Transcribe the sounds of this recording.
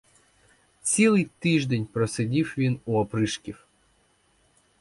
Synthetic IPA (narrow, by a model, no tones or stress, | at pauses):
t͡sʲilˠɪjt̪ɪʒd̪enʲpɾɔsɪdʲiwʋʲinuɔpɾɪʃkʲiw